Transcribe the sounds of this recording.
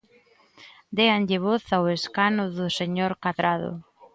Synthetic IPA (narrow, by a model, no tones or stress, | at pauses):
d̪eanʎɪβoθaweskanʊðʊseɲoɾkaðɾaðʊ̰